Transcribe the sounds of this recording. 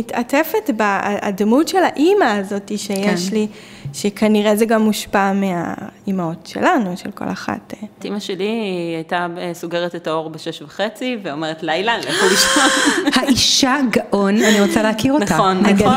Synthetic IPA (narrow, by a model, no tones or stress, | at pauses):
itatefetba̰dmutʃelaʔimaːzo̞tiʃejeʃli | ʃekʰaniʁezeɡamːuʃpamea̰imaotʃḛlanuʃḛlko̰laχa̰ttimaʃeliajtasoɡeʁetetao̞ʁbeʃeʃvaχet͡siveomeʁetlajlanlleχuliʃohaiʃaɡaʔonaniʁot͡saleakiʁontanaɡa